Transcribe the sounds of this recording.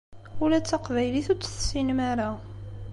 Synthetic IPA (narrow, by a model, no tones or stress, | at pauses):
ʊlæt͡sːaqvæjliθut͡sːθsinmaɾa